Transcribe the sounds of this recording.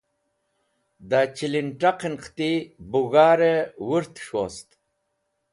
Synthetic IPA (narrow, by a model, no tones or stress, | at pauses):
d̪at͡ɕilinʈaqinqʰt̪ibuɣaːɾewuɾt̪ʂost̪